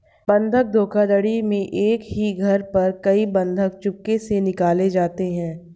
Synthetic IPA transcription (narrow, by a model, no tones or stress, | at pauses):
bɐ̃nd̪ʱək̚d̪ʱoːkad̪əɽimẽʔeːkɦiɡʱɐɾpɐɾkɐibɐ̃nd̪ʱək̚t͡ʃʊkːesenɪkaːled͡ʒaːt̪eɦɛ̃ː